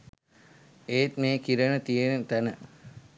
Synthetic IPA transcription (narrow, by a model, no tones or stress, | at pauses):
eːt̪meːkiɾənət̪ijenət̪ænə